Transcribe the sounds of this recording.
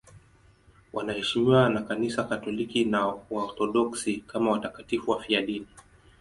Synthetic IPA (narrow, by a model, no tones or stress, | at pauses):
wʔanahɛʃimiwanakanisakatɔlikinaaɔɾθɔɗɔksikamawatakatifuwafiaɗini